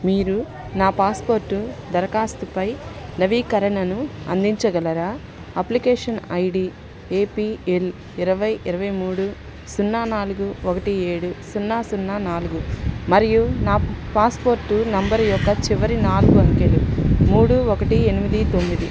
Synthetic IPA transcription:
miːɾu | naːpaːspoːɾʈːud̪ɐɾɐkaːst̪upɐjnɐʋiːkɐɾɐɳɐnuɐ̰nd̪iɲt͡ʃɐɡɐlɐɾaː | ɐplikeːʂɐnɐjɽi | eːpiːel | iɾɐʋɐjiɾɐʋɐjmuːɽu | sunːaːnaːluɡuɔkɐʈie̞ːɽusunːaːsunːaːnaːluɡumɐɾijunaːpaːspo̞ːɾʈːunɐmbɐɾjɔkːɐt͡ʃiʋɐɾinaːluɡuɐŋkelṵmuːɽuɔkɐʈie̞nimid̪it̪o̞mːid̪i

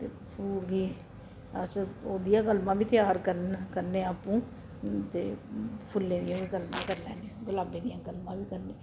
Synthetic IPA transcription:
t̪eː | puːɾɡiː | əsəoːd̪ɪjãːkəlmãːbiːt̪ɪjaːɾkəɾnkəɾneːaːpũː | t̪eːpʰʊlːẽːd̪ɪjãːbikəlmãːkəɾlɛ̰ːneːɡʊlaːbẽːd̪ɪjãːkəlmãːbiːkəɾneː

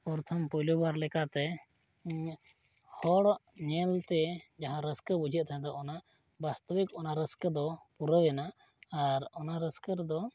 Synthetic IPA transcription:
pɔɾt̪ʰəmpɔjlubaɾlɛkat̪ɛ | hɔɽʔɲɛlt̪ɛd͡ʒaɦãɾəskəbud͡ʒʱəʔ̚t̪ʰaɦɛ̃d̪ɔʔɔnaʔ | bast̪əbikɔnaɾəskəd̪ɔpuɾəwɛnaː | ɾɔnaɾəskəɾd̪ɔ

